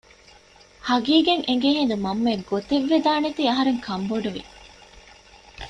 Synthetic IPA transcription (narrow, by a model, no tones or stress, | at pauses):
hɐɡiːɡeŋʔeŋ̆ɡeɦend̪umɐmːeɡot̪eʋːed̪aːnet̪iːɐɦɐɾeŋkʰɐmboɖuʋḭ